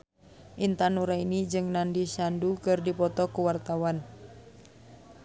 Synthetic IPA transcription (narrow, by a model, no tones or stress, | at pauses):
ʔint̪anuɾainid͡ʒɨŋnandisandukɨrdipɔt̪ɔkuwart̪awan